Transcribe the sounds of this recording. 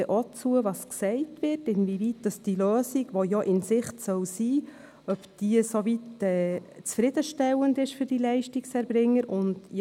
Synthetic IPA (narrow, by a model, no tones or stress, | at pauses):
ɛʔot͡suəʋɑsksɛɪtʋɪɾtɪnvivit̚d̥ɑsd̥iløːsiɡʋojɔʔɪnsɪχtsœwsiː | œpd̥iːəsovitɛːt͡sfɾɪd̥əʃtɛwəndɪʃfʏɾd̥ilɛɪʃtiksɛɾbɾɪŋːəɾʊndj